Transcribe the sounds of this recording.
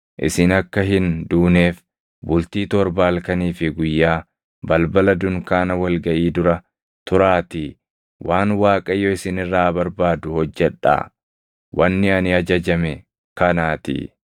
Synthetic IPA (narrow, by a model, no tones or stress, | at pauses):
ʔɪ̰sɪnɐkːɐɦɪnd̪uːneːf | bʊlt̪iːt̪ɔɾbaːlkɐniːfɪɡʊjːaː | bɐlbɐlɐd̪ʊŋkaːnɐwɐlɡɐʔiːd̪ʊɾɐ | t̪ʊɾaːt̪i | wʔaːnwaːkʼɐjːoːɪsɪnɪrːaːbɐɾbaːd̪ʊhɔd͡ʒːɛᶑa̰ː | wɐnːɪɐnɪɐd͡ʒɐd͡ʒɐmɛ | kɐnaːt̪ɪ̰